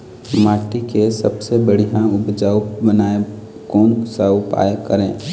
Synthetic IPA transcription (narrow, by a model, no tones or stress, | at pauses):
maːʈikesɐbsebəɽ̤ijãʊbd͡ʒaːwbənaːe | koːnsapa̰ːekəɾẽː